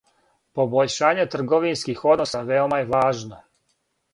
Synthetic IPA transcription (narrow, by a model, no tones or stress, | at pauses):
po̞boʎʃaːɲet̪r̩ɡo̞ʋinskixo̞d̪nosaʋeomajeʋaːʒno